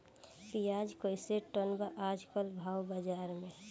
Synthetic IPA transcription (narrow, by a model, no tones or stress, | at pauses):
pijad͡ʒkojseʈənbaʔad͡ʒkəlbʱaːwbəd͡ʒaɾmẽ